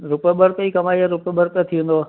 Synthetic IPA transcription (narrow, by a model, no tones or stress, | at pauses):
ɾʊpebəɾt̪əikɐmaːiaɾʊpɓəɾt̪ət̪ʰiũːnd̪oː